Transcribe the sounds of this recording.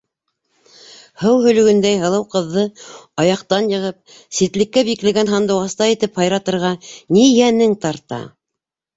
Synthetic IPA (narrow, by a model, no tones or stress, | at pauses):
hɤwɦɵ̆lɵ̆ɡɵ̆nd̪æjɦɤ̆lˠɤwqɤ̆ðːɤɑjɑqt̪ɑnjɤ̆ʁɤp̚ | sit̪lɘ̆kːæbiklæ̆ɡænɦɑnd̪ɤ̆wɑst̪ɑit̪ɘphɑjɾɑt̪ɤ̆ɾʁɑnijænɘŋt̪ɑɾt̪ɑ̰